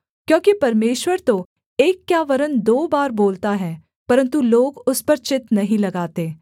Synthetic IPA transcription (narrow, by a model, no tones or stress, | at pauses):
kjõːkipɐɾmeːʃwəɾt̪o | eːkːjaːʋɐɾənd̪oːbaːɾboːlt̪aɦɛː | pɐɾə̃nt̪uloːɡʊspɐɾt͡ʃɪt̪nɐɦĩlɐɡaːt̪eː